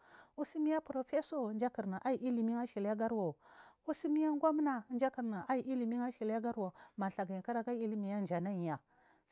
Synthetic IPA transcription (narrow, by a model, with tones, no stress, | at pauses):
u˦si˦mi˦ja˦pɾo˨fe˦so˦˨nd͡ʒa˦ki˨ɾna˨ʔa˦i˨ʔi˦li˨mi˦ŋa˦ʃi˨la˦ɡa˦ɾwo˨u˦si˦mi˦ja˦ŋ˦ɡʷa˦m˦na˨˦n˦d͡ʒa˦ki˨ɾna˨a˦i˨ʔi˦li˨mi˦ŋa˦ʃi˨lja˦ɡa˦ɾwo˨ma˨ɬa˨ɡa˨i˨ka˦ɾa˦ɡa˦i˦li˦mi˨ja˦n˨d͡ʒa˨na˦i˨ja˨